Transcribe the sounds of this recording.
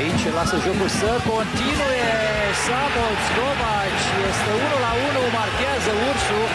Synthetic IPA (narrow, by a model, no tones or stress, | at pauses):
it͡ʃelasəʒo̞kulsəko̞nt̪inuje | samot̪skoma | t͡ʃjest̪eunulaunumarkeazəursu